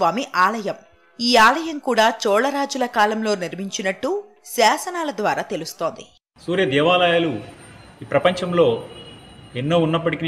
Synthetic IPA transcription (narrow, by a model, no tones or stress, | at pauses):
ʋaːmiʔaːlɐjɐm | iːaːlɐjɐmkuːɽaːt͡ʃɔːɭɐɾaːd͡ʒulɐkaːlɐmlo̞ːniɾmiɲt͡ʃinɐʈːu | saːsɐnaːlɐd̪ʋaːɾaːt̪e̞lust̪o̞ːnd̪i | suːɾjɐd̪ɛːʋaːlɐjaːluiːpɾɐpɐɲt͡ʃɐmlo̞ː | enːoːunːɐpːɐʈik